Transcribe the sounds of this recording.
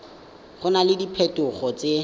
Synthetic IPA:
χʊnalɪdipʰɛtʊχɔt͡sʼe

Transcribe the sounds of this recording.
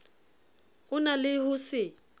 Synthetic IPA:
ʊnalɪhʊsɪ

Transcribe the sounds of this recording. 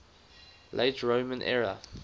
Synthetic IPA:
lʔeɪtʰɹoʊmə̃nʔɛ̰ɹə

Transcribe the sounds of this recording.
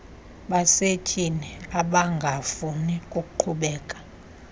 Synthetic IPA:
ɓasetʼʰiniaɓaŋɡʱafunikʼuk̬ʼuǃʰuɓɛːkʼḁ

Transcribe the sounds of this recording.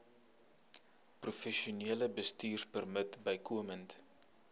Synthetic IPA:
prufɛʃiuniələbəstiːrpərmətbəjkʰuəmənt

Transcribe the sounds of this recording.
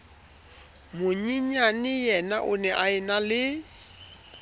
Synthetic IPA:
mʊɲiɲanɪjɛnaʔʊ̰nɛʔaɛnalɪ

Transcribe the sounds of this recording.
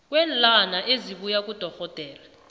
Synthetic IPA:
k̬ʼwɛːnlanaʔeziɓujak̬ʼud̥ʱɔxɔd̥ʱɛːla

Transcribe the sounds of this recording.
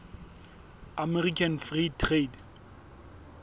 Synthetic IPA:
amɛrikʰanfritʰred

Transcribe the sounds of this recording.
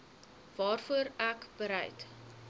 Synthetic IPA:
vɑːrfuəɾækbəɾɛ̰jt

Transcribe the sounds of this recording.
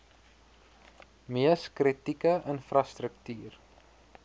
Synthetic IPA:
miəskrətikəʔənfrɐstrəktyːr

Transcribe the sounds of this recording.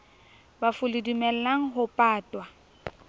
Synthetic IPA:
bafʊlidimɛl̩laŋ̩ɦʊpʼaːtʼwa

